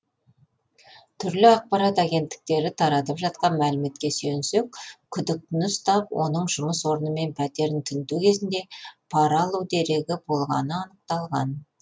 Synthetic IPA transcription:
t̪ʰʏɾlɪɑq̚pɑɾɑt̪æɡʲe̞nt̪ːɪ̥k̚t̪e̞ɾɪt̪ʰɑɾɑt̪əpʒɑt̪̚qɑnmælɪme̞t̪̚kʲe̞sɵnsek̚ʲkʲʰʏd̪ɪk̚t̪ɪnɪst̪ɑpwʔo̞̰nəɴʒʊməswo̞ɾənəme̞npʰæt̪e̞ɾɪnt̪ʰʏnt̪ukʲʰe̞zɪnd̪e̞pʰɑɾɑlˠuwd̪e̞ɾe̞ɡʲɪbo̞lˠʁɑ̰nəɑnəq̚t̪ɑlˠʁɑ̰n

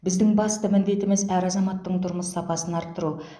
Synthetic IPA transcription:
bɪzd̪ɪŋbɑst̪əmɪnd̪e̞t̪ɪmɪzæɾɑzɑmɑt̪ːəɴt̪ʰʊɾməsːɑpɑsənɑɾp̚t̪əɾu

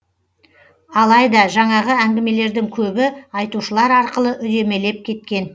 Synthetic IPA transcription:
ɑlˠɑjd̪ɑʒɑɴɑʁəæŋɡʲɪme̞le̞ɾd̪ɪŋkʲʰɵbɪɑjt̪uʃəlˠɑɾɑɾqəlˠəʔʏj̪e̞me̞le̞p̚kʲʰe̞t̪kʲe̞n

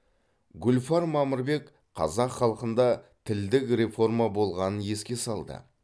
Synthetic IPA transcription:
ɡʲʊlfɑɾmɑməɾbe̞k | qʰɑ̰zɑqχɑlˠəqənd̪ɑt̪ʰɪld̪ɪkɾe̞fo̞rmabo̞lˠʁɑnənje̞skʲe̞sɑlˠd̪ə̰

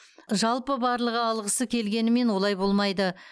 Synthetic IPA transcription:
ʒɑlˠpəbɑɾlˠəʁəɑlˠʁəsəkʲʰe̞lɡʲe̞nɪme̞nwo̞lˠɑjbo̞lˠmɑjd̪ə

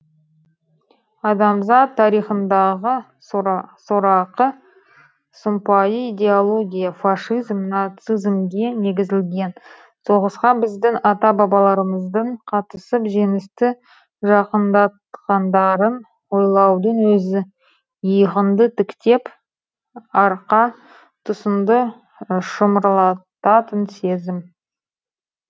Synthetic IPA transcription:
ɑd̪ɑmzɑt̪ʰːɑɾijχənd̪ɑʁə | sʊɾɑqə | sʊmpɑjəid̪ʲe̞olˠo̞ɡʲijafaʃizmnɑt̪sizmɡʲe̞ne̞ɡʲɪzɪlɡʲe̞n | so̞ʁəsqɑbɪzd̪ɪŋɑt̪ɑbɑbɑlˠɑɾəməzd̪əɴqʰɑt̪əsəpʒe̞ŋɪst̪ɪ | ʒɑqənd̪ɑt̪qɑnd̪ɑɾən | wo̞jlˠɑwd̪əɴwɵzɪ | jəʁənd̪ət̪ʰɪkt̪e̞p | ɑɾqɑ | t̪ʰʊsəmd̪ə | ʃəməɾlˠɑt̪ɑt̪ənse̞zɪm

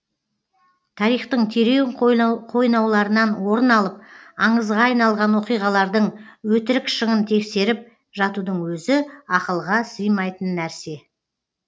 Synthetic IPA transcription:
t̪ʰɑɾijχt̪əɴt̪ʰeɾeɴqʰo̞jnɑwlˠɑɾənɑnwo̞ɾənɑlˠəp̚ɑɴəzʁɑːjnɑlˠʁɑnwo̞qijʁɑlˠɑɾd̪əɴwɵt̪ɪɾɪkʃəʁənt̪ʰe̞kse̞ɾɪp̚ | ʒɑt̪ud̪əɴwɵzɪɑqəlˠʁɑsəjmɑjt̪ənːæɾse̞

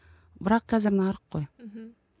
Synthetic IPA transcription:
bɪɾɑqχæzɘɾnɑɑɾqːoj

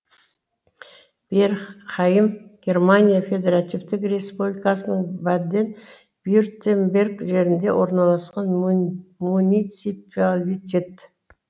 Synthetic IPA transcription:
b̥eɾχɑjəmɡʲe̞rmanʲijafʲe̞d̪e̞ɾat̪ivt̪ɪkrʲe̞spublʲikɑsənəɴvad̪ːe̞n | bjort̪ʰembe̞rɡʒe̞ɾɪnd̪e̞wʔo̞ɾnɑlˠɑsqɑnmunit̪sipalʲit̪ʲe̞t̪

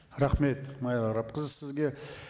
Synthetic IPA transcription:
ɾaχme̞t̪mɑjɾɑɾɑp̚qəzəsɪzɡʲe̞

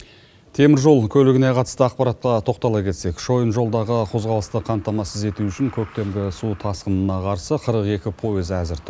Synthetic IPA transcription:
t̪ʰe̞mɪɾʒo̞lˠkʲʰɵlɪɡʲɪneqʰɑt̪ə̥st̪əɑqpɑɾɑt̪̚qɑt̪ʰo̞qt̪ɑlˠɑkʲʰe̞t̪se̞kʃo̞jənʒo̞lˠd̪ɑʁəqʰo̞zʁɑlˠəst̪əqʰɑmt̪ːɑmɑsəze̞t̪uʏʃɪŋkʲʰɵk̚t̪e̞mɡʲɪsut̪ʰɑsqənənɑqʰɑɾsəqʰəɾəqe̞kʲɪpʰo̞ezæzɪɾt̪ʰ

